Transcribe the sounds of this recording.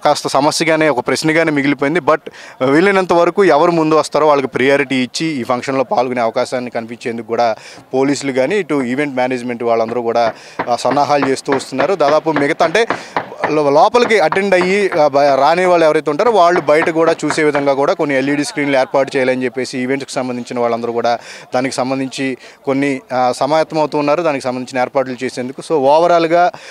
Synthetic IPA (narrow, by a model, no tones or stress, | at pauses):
kaːst̪ɐsɐmɐsjɐɡaːneːɔkɐpɾesnɐɡaːneːmiɡilip̬oːjind̪ibɐʈʋilːinɐnt̪̬ɐʋɐɾɐkuːɛʋɐɾumund̪uʋɐst̪aːɾoːʋaːɭːɐk̬ipɾijaːɾiʈiːt͡ʃːiiːpʰɐŋkʂɐnlo̞ːpaːlukuneːɐʋɐkaːʃaːnːikɐnip̬iɲt͡ʃe̞ːnd̪ukukːuːɽaː | poːliːs̬uluɡaːniːʈuiʋe̞ɳʈmʲjaːneːd͡ʒme̞ɳʈʋaːɭːɐnd̪ɐɾuːkuːɽaː | sɐnːaːɦaːlut͡ʃe̞ːst̪uːʋɐst̪unːaːɾud̪aːd̪aːpumiɡɐt̪ɐɐɳʈe̞ː | lɔːpɐlɐkiɐʈe̞ɳɖɐjiɾaːneːʋaːɭːuɛʋɐɾɐjt̪eːuɳʈaːɾuʋaːɭːubɐjɐʈɐkuːɽaːt͡ʃuːse̞ːʋid̪ʱɐŋɡaːkuːɽaːko̞nːielːiːɽiskɾiːnlueːɾpaːɾʈ̬ut͡ʃɛːjaːlɐnt͡ʃe̞pːe̞ːsiːʋe̞ɳʈsku̥sɐmbɐnd̪iɲt͡ʃinɐʋaːɭːɐnd̪ɐɾuːkuːɽaːd̪aːniki̥sɐmbɐnd̪ʱiɲt͡ʃi | ko̞nːisɐmaːjɐt̪ːɐmɐwt̪uːnːaːɾud̪aːnikisɐmbɐniɲt͡ʃinɐeːɾpaːɾʈ̬lut͡ʃe̞ːseːnd̪ukuso̞ːʋɔːʋɐɾaːluɡaː